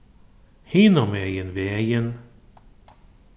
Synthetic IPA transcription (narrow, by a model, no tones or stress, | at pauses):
hinɔmɛːjənvejən